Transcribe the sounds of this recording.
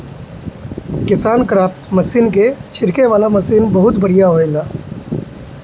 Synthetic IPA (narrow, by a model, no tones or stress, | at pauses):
kɪsaːnkɾaːpt̪mɐsiːnket͡ʃʰɪɾkeʋaːlamɐsiːnbɐɦʊt̪bɐɽijaɦoelaː